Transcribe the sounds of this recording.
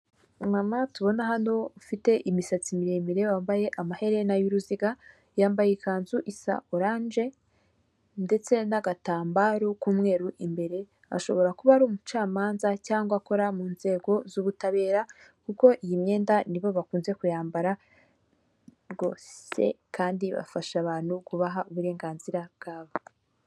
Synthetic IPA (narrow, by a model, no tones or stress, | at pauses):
mamatuβo̞naɦano̞fite̞ʔimisat͡simiɾemiɾe̞waːmbaje̞ʔamahe̞ɾe̞najuɾuziɡa | jaːmbajekaːnzuʔisa̰ʔoɾaːnd͡ʒe̞ | nde̞t͡se̞naɡataːmbaɾukuːmŋe̞ːɾuʔimbe̞ɾe̞ | a̰ʃo̞βo̞ɾakuβaɾuːmut͡ʃaːmaːnzacaːŋɡwako̞ɾamuːnze̞ːɡo̞zuβutaβe̞ːɾakuko̞ʔijimɲe̞ːndaniβo̞βakuːnze̞kujaːmbaɾa | ɡo̞̰ːse̞̰kaːndiβa̰faʃaβaːn̥hukuβaɦauβuɾe̞ːŋɡaːnziɾabɡ̥aːβa